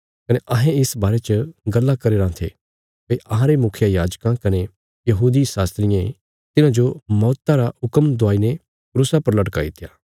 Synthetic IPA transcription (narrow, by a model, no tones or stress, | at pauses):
kɐneʔɐɦẽɪsbaːɾet͡ʃəɡɐlːakɐɾeːɾãt̪ʰḛ | pɐʔɐɦãɾemʊkʰjajaːd͡ʒkãkɐne | jɐɦuːd̪isaːst̪ɾɪjã | t̪ɪnãd͡ʒomɔːt̪ːaɾaʊkəmd̪ʊaːine | kɾʊsapɐɾlɐʈka̰it̪ʰɪjaː